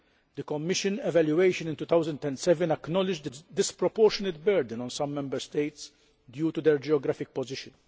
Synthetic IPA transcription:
d̪əkɔmːɪʃənɛvæljueɪʃə̃nɪ̃nt̪ut̪awzə̃nd̪ɛ̃nt̪sɛvɛ̃nɐknɔlɪd͡ʒd̪əd̪ɪspɾɔpɔɾʃɔnɪt̪̚bɛɾd̪ə̃nɔ̃nsɐ̃mːɛ̃mbəɾst̪eɪt̪s | d̪juːt̪ud̪ɛɾd͡ʒiɔɡɾæfɪk̚pɔzɪʃə̃n

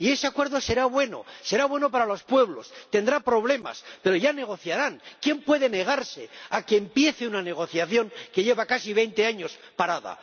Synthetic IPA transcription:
ie̞seakwe̞ɾðo̞se̞ɾaβwe̞no̞̰se̞ɾaβwe̞no̞paɾalo̞spwe̞β̞lo̞st̪end̪ɾapɾo̞βle̞ma̰spe̞ɾo̞ʝane̞ɣ̞o̞θjaɾaŋkje̞mpwe̞ðe̞ne̞ɣ̞aɾse̞akeːmpje̞θeunane̞ɣ̞o̞θjaθjo̞ŋke̞ʝe̞βakasiβ̞e̞jnt̪e̞aɲo̞s | paɾaða̰

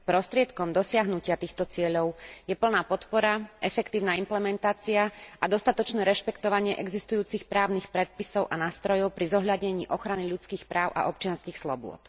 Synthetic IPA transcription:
pɾɔst̪ɾɪɛt̪kɔmd̪ɔsɪaɦnucɪat̪iːxt̪ɔt͡sɪɛʎɔʊjɛpl̩naːpɔt̪pɔɾaʔɛfɛkt̪iːʊnaːimplɛmɛnt̪aːt͡siaad̪ɔst̪at̪ɔt͡ʃnɛːɾɛʃpɛkt̪ɔʋaɲɪɛʔɛɡzist̪ujuːt͡sixpɾaːʊnixpɾɛt̪̚pisɔʊʔanaːst̪ɾɔjɔʊpɾizɔɦʎaɟɲɛɲiːʔɔxɾaniʎut͡skiːxpɾaːʊʔa̰ʔɔp̚t͡ʃɪanskiːxslɔ̰bʊɔ̰t̪

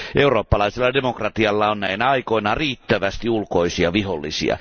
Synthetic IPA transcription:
ʔe̞uro̞ːpːɑlɑiselːɑdemokrɑt̪iɑlːɑonnæinæɑiko̞inɑriːt̪ːæʋæst̪iulko̞isiɑʋiɦolːisḭɑ̰

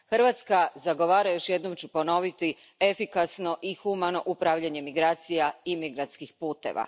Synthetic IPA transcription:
xr̩ʋat̪skazaɡo̞ʋaːɾajo̞ʃjed̪nomt͡ɕupo̞no̞ʋit̪i | e̞fikasno̞ʔixumano̞ʔupɾaʋʎaɲe̞miɡɾaːt̪sijaimiɡɾant̪skixpuːt̪e̞̰ʋʔa̰

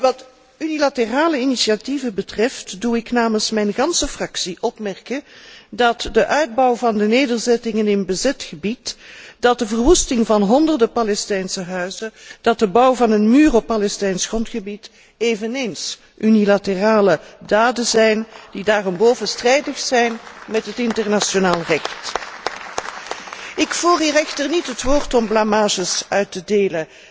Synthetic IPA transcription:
ʋɑt | ynilatəraːləinisativəbətrɛftduɪknaːmənsmɛjnɣɑnsəfrɑksiʔɔpmɛrkədɑtdəʔœɥd̚bɑwvɑndəneːdərzɛtɪŋənɪnbəzɛtxəbitd̥ɑt̚dəvərʋustɪŋvɑnɦɔndərdəpalɛstɛjnsəɦœɥzəd̥ɑt̚dəbʌwvɑnənmyːrɔpːalɛstɛjnsχrɔntxəbit | eːvəneːns | ʔynilatəraːlədaːdəzɛjndidaːrɔmboːwvənstrɛjdəxsɛjnmɛtɦətɪntərnaʃonaːlˠrɛxt | ɪkfuːriːrɛxtərnitɦətʋʊːɹtɔmblamaːʒəsœɥtədeːlə

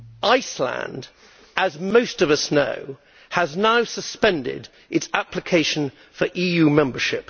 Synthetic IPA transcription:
ʔaɪslã̰nd | əzməʊstʌvʌsnə̰ʊ | əznaʊsəspɛ̃ndɪ̰d | ɪtsæpʰlɨkʰeɪʃə̃n̩ | fəɹʔiːjʉmɛ̃mbəʃɪp̚

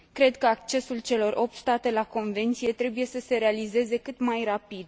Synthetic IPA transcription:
kɾe̞d̪kəak̚t͡ʃe̞sult͡ʃe̞lo̞rʔo̞p̚t̪st̪at̪e̞lako̞nve̞nt̪sije̞t̪ɾe̞buje̞səse̞ɾealize̞ze̞kɨt̪majrapid̪

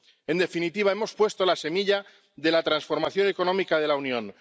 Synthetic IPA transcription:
e̞nd̪e̞finit̪iβae̞mo̞spwe̞st̪olase̞miʎa | ðe̞lat̪ɾansfo̞ɾmaθjo̞ne̞ko̞nõ̞mikað̞e̞launjõ̞n

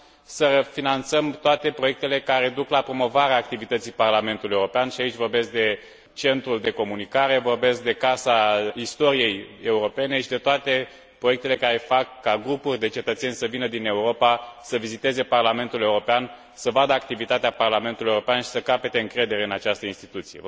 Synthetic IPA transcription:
səfinant̪səmt̪oat̪e̞pɾo̞je̞k̚t̪e̞le̞kaɾe̞d̪uklapɾo̞mo̞vaɾeaːkt̪ivit̪ət̪sijparlame̞nt̪ulijeuɾopeanʃiait͡ʃʲvo̞rbe̞sk̚d̪e̞ | t͡ʃe̞nt̪ɾuld̪e̞ko̞munikaɾe̞vo̞rbe̞sk̚d̪e̞kasaist̪o̞ɾije̞je̞uɾo̞pe̞ne̞ʃid̪et̪oat̪e̞ | pɾoje̞k̚t̪e̞le̞kaɾe̞fakːaɡɾupurʲd̪e̞t͡ʃe̞t̪ət̪se̞nʲsəvinəd̪ine̞uɾo̞pasəvizit̪e̞ze̞parlame̞nt̪ule̞uɾo̞pean | səvad̪əakt̪ivit̪at̪eaparlame̞nt̪ulieuɾo̞peanʃi̥səkape̞t̪e̞ɨŋkɾe̞d̪e̞ɾe̞ɨnat͡ʃast̪əinst̪it̪ut̪sije

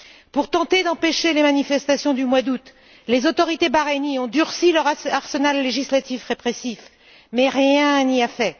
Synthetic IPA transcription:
puʁt̪ɑ̃t̪ed̪ɑ̃peʃelemanifɛst̪asjɔ̃d̪ymwad̪ut̪ | lezot̪ɔʁit̪ebaʁeniɔ̃d̪yʁsilœʁaʁsənalːeʒislat̪ifʁepχesif | mɛʁjɛ̃niafɛ

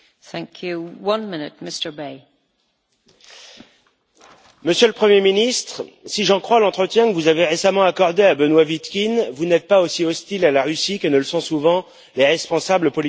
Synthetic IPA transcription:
θæ̃ŋkʰjuwʌ̃nmɪ̃nɪt̚mɪstə˞beɪ | məsjələpχəmjeminist̪χsiʒɑ̃kχwalɑ̃t̪χət̪jɛ̃kəvuzaveʁesamɑ̃akɔʁd̪eabənwavit̪kʲinvunɛt̪̚paosiɔst̪ilalaʁysikənələsɔ̃suvɑ̃ | leʁɛspɔ̃sabləpɔl

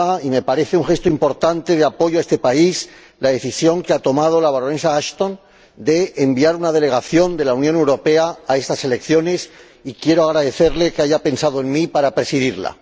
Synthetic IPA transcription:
aime̞paɾe̞θeuŋxe̞st̪oimpo̞ɾt̪ant̪e̞ð̞eapo̞ʝoaest̪e̞pais | laðe̞θisjo̞ŋkeat̪o̞mað̞o̞laβaɾone̞saaʃt̪o̞n | d̪e̞ːmbiaɾunað̞e̞le̞ɣ̞aθjo̞nd̪e̞lawnjone̞wɾo̞pe̞aːe̞st̪ase̞le̞kθjo̞ne̞s | ikje̞ɾoaɣ̞ɾaðe̞θe̞ɾle̞keaʝape̞nsað̞oe̞ŋmipaɾapɾe̞siðiɾla̰

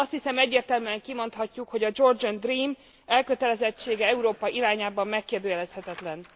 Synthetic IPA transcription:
ɒst̪hisɛmɛɟːeːrt̪ɛlmyɛŋkimo̞nt̪hɒcːukho̞ɟɒd͡ʒo̞rd͡ʒond̪riːm | ɛlkøt̪ɛlɛzɛt͡ʃːeːɡɛɛuɾoːpɒʔiɾaːɲaːbɒmːɛkːeːrd̪øːjɛlɛshɛt̪ɛt̪lɛn

